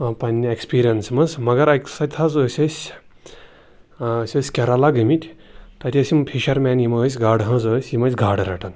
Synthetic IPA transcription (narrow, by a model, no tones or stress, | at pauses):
ɐpɐnʲiekspiːɾijɐnsmɐsmɐɡɐɾɐkʲsɐt̪ʲʰɐzəːsʲɐsʲ | ɐsʲɐsʲkʲɐɾalaɡɨmʲit̪ʲt̪ɐt̪ʲʰiɐsʲimpʰiʃɐɾmʲɛːnjimɐːs̬ʲɡaːɖɦɐ̃zosʲjimɐsʲɡʱaːɖɾɐ̰ʈʰɐn